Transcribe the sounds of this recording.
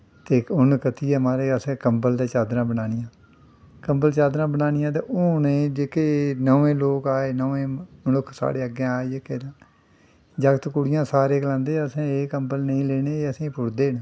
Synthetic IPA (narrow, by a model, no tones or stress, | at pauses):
t̪eːʊnkət̪iːɛːmaːɾeːəsẽːkəmbəld̪aːt͡ʃaːd̪ɾãːbənaːnɪjãː | kəmbəlt͡ʃaːd̪ɾãːbənaːnɪjãːt̪̬eːʔʊːneːd͡ʒeːkeːnəʋẽːloːkaːeːnəʋẽːmənʊkʰsa̰ːɽeːəɡẽaːed͡ʒeːkeːd̪ãː | d͡ʒəkt̪kʊɽɪjãːsaːɾeːkəlãːnd̪eːəsẽːeːkəmbəlnəĩːleːneːəsĩːpʊɽd̪eːn